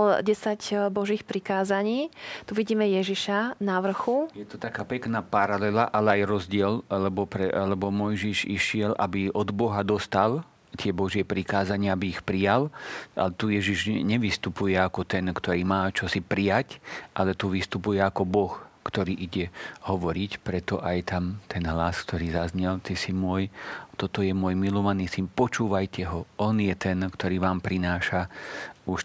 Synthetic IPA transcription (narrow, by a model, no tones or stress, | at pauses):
ɟɛsaɟbɔʒiːxpɾikaːzaɲiːt̪uʋiɟiːmɛjɛʒiʃanaʋr̩xujɛt̪ɔt̪akaːpɛknaːpaɾalɛlaʔalɛajɾɔzɟɪɛllɛbɔpɾɛlɛbɔmɔjʒiʒiʃɪɛlʔa̰biʔɔd̪bɔɦad̪ɔst̪al | t̪ɪɛbɔʒɪɛpɾikaːzaɲɪaabiixpɾijala̰lɛt̪ujɛʒiʒɲɛʋist̪upujɛakɔt̪ɛnkt̪ɔɾiːmaːt͡ʃɔsipɾijacʔa̰lɛt̪uʋist̪upujɛakɔbɔxkt̪ɔɾiːʔiɟɛhɔʋɔɾicpɾɛt̪ɔʔajt̪ʰamt̪ʰɛnɦlaskt̪ʰɔɾiːzazɲɛlt̪isimʊɔjt̪ɔt̪ɔjɛmʊɔːjmilɔʋaniːsinpɔt͡ʃuːʋajcɛɦɔɔnjɛt̪ɛnkt̪ɔɾiːʋaːmpɾinaːʃauʃ